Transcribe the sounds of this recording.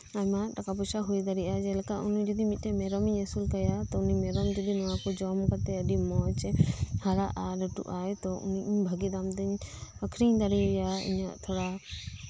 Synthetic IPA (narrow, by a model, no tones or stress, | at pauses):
amaʈakapusaɦujd̪aɾiʔad͡ʒɛlɛkaʔuniɲd͡ʒɔd̪imit̪̚ˀtɛmɛɾɔmiɲɛsulkəjat̪ɔuniɲmɛɾɔmd͡ʒɔd̪inɔwakɔd͡ʒɔmkat̪ɛəɖimɔjt͡ʃɛhaɾaʔaɾɔʈṵʔajt̪ɔṵniɲbʱəɡid̪amd̪əɲəkʰɾiɲd̪aɾiujaḭɲa̰ʔt̪ʰɔɽa